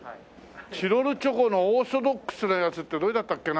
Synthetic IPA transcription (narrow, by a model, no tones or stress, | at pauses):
ɕiɾo̞ɾɯ̟t͡ɕo̞konooːsob̪okːɯ̥sɨnajat͡sɨt̪ːe̞d̪o̞ed̪at̪ːakːe̞na